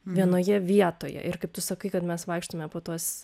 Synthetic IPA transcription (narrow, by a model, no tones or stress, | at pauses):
ʋʲiɛnoːjɛʋʲiɛt̪oːjɛ̰ʔɪɾkɐɪp̚t̪ʊsɐkɐɪkɐt̪mʲɛsʋɐɪkʃt̪omʲɛpoːt̪uɔs